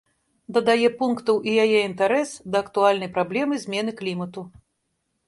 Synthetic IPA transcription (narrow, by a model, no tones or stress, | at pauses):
d̪ɐd̪ajɛpunkt̪ɐwʔijajɛint̪aɾɛsd̪ɐːkt̪ualʲnɐjpɾablʲɛmɨzʲmʲɛnɨklʲimɐt̪u